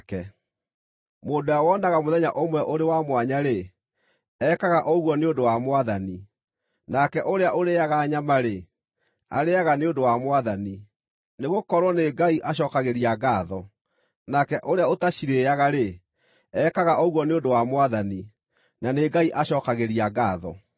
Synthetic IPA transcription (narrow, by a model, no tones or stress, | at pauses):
kɛ | moːndojawɔnaɣamoðɛɲaʔomwɛʔoɾewamwaɲaɾe | ɛkaɣaʔɔɣwɔneondowamwaðani | nakɛʔoɾeaʔoɾeaɣaɲamaɾe | a̰ɾeaɣaneondowamwaðani | neɣokɔɾwɔneɡaiʔaɕɔkaɣeɾiaɡaːðɔ | nakɛʔoɾeaotaɕiɾeaɣaɾe | ɛkaɣaʔɔɣwɔneondowamwaðani | naneɡaiʔaɕɔːkaɣeɾiaɡaːðɔ̰